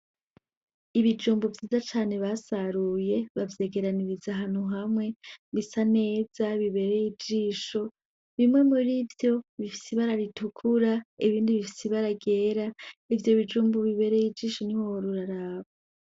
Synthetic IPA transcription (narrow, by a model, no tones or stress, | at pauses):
iβid͡ʒuːmbovjiːzat͡ʃaːne̞βasaɾuje̞βavje̞ːɡe̞ɾaniɾizaɦanuɦamŋe̞βisane̞ːz̥aβiβe̞ɾe̞jid͡ʒiːʃo̞ | βimŋe̞muɾivjo̞βifi̥siβaɾaɾitukʰuɾaiβiːndiβifi̥siβaɾaɡe̞ːɾaivjo̞βid͡ʒuːmboβiβe̞ɾejid͡ʒiːʃo̞nihooɾuɾaɾaːβa